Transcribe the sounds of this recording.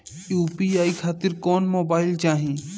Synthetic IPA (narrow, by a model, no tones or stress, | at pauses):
juːpiaːikʰaːt̪ɪɾkɔːnmoːbaːɪlt͡ʃaːɦĩː